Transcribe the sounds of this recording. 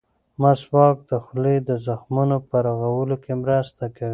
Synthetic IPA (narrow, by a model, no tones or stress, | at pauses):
maswɑk̚d̪əxled̪əzaxmunopəɾaɣawəlokemɾast̪akawi